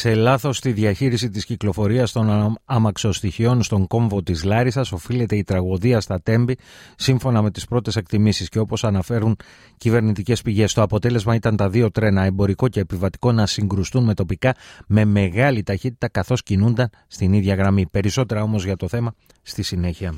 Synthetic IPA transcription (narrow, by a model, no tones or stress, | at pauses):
se̞lɐθo̞st̪iðiɐçiɾisit̪isciklo̞fo̞ɾiɐst̪o̞nɐmɐkso̞st̪içio̞nst̪o̞ŋko̞ɱvo̞t̪izlɐɾisɐso̞file̞t̪e̞it̪ɾɐɣo̞ðiɐst̪ɐt̪e̞mbisiɱfo̞nɐme̞t̪i̥spɾo̞t̪e̞se̞k̚t̪imisisce̞o̞po̞sɐnɐfe̞ɾun | cive̞ɾnit̪ice̞spiʝe̞st̪o̞ɐpo̞t̪e̞le̞zmɐit̪ɐnt̪ɐðio̞t̪ɾe̞nɐe̞mbo̞ɾiko̞ce̞ːpivɐt̪i̥ko̞nɐsiŋɡɾust̪unme̞t̪o̞pikɐme̞me̞ɣɐlit̪ɐçit̪i̥t̪ɐkɐθo̞scinund̪ɐn | st̪iniðʝɐɣɾɐmipe̞ɾiso̞t̪e̞ɾɐo̞mo̞zʝɐt̪o̞θe̞mɐ | st̪isine̞çiɐ